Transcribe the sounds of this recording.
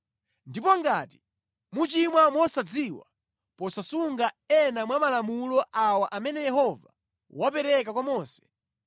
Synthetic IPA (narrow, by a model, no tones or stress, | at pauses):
ndipɔŋɡati̥ | mut͡ʃimwamwɔsad͡ziːwa̰ | pɔsasuŋɡa | ɛnamwamalamulɔʔawaʔamɛnɛjɛɦɔva̰ | wapɛɾɛkakwamɔːsɛ̥